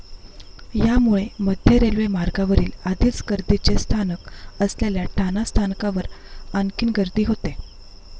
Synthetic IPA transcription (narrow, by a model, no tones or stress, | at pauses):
jamuɭeməd̪ʱjəɾelʋemaɾɡaʋəɾiːlad̪ʱiːt͡sɡəɾd̪it͡ɕest̪ʰanəkəsljaljaʈʰanast̪ʰankaʋəɾənkiːnɡəɾd̪iːɦot̪e